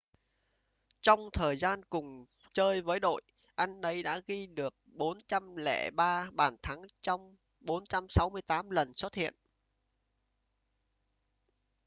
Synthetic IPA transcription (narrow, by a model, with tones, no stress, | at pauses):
t͡ɕɔ˧wŋ͡mt̪ʰəː˨˩jzaː˧nkʊ˨˩ŋ͡m | t͡ɕəː˧jvəː˨˦jɗo̰˧˨j | ʔa˧jŋ̟nə˨˦jɗa̰ː˧˥ɣi˧ɗɨ˨˩ək̚ɓo˨˦nt͡ɕa˧mlɛ̰˧˩ɓaː˧ɓaː˧˩nt̪ʰa˨˦ŋt͡ɕɔ˧wŋ͡m | ɓo˨˦nt͡ɕa˧msa˨˦wmɨ˧əjt̪aː˨˦mlə˨˩nso˦˥t̚hḭ˧˨ən